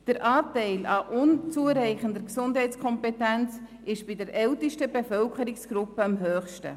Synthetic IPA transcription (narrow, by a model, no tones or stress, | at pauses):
d̥əɾʔaːtɛɪlɑʔʊnt͡suəɾɛɪχəndəɾksʊndɦɛɪt͡skʰɔmpetɛnt͡s | ɪʃb̥ɪdəɾʔɛltəʃtəbefœlkʰəɾɪksɡ̥ɾʊpəɑmɦøːχʃtə̰